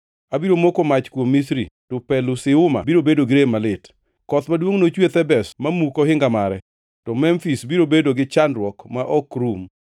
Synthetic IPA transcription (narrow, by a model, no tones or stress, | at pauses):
abiɾomokomat͡ʃkwomːisɾḭtɔpɛlʊsɪʊma̰biɾobedoɡɪɾemalɪt | kɔt̪madwoŋnot͡ʃwet̪ɛbɛsmamukoɦɪŋɡamaɾɛ | tɔmɛmfisbiɾobedoɡɪt͡ʃandɾwɔkmaʔɔkɾum